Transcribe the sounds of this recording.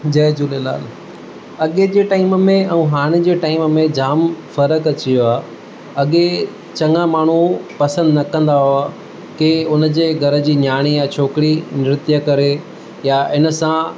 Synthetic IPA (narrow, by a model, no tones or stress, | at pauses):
d͡ʑɐːd͡ʑuːlela̰ːl | ɐɠed͡ʑeːʈaːɪmmẽɐ̃ũːɦaːɽ̃ɪd͡ʑeːʈaːɪmmẽd͡ʑaːmfɐɾəkɐt͡ɕijoaː | ɐɠe | t͡ɕɐ̃ŋãmaːɳ̤upɐsə̃nd̪nɐkɐ̃nd̪aɦoaː | keʊnə̆d͡ʑeːɡʱɐɾə̆d͡ʑiːnjaːɽ̃ijat͡ɕʰoːkɪɽinɪɾɪt̪jəkɐɾe | jaɪnə̆sã